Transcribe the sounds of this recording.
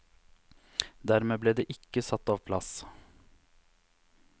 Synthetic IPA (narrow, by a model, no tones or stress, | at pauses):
d̪æɾmeːbleːd̪eːʔɪkːəsɑt̪ːɑːʋpʰlɑs